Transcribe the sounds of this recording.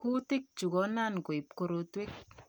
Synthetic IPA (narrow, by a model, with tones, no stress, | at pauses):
ku˦tɪ˦k̚t͡ʃu˨kɔ˦na˦˨nko˨i˨p̚ko˦ɾo˦twe˦k̚